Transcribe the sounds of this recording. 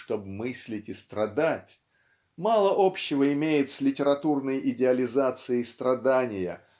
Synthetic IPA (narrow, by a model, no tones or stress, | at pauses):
ʂt̪o̞bmɨsʲlʲɪtʲɪst̪ɾɐd̪atʲ | malˠəʔo̞pɕːɪvəɪmʲejɪt̪sʲlʲɪtʲɪɾɐt̪urnəjɪdʲɪɐlʲɪzat̪sɨɪst̪ɾɐd̪anʲɪjə̰